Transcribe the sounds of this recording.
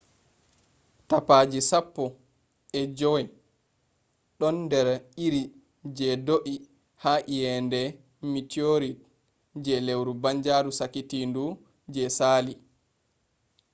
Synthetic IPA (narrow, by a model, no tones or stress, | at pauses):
tapad͡ʒisapːɔ | ʔɛd͡ʒɔɛ | ɗɔnːdɛɾiɾi | d͡ʒɛdoʔi | haʔijɛndɛ | mitioɾit | d͡ʒɛlewɾubaɲd͡ʒaɾusakitindu | d͡ʒɛsaːli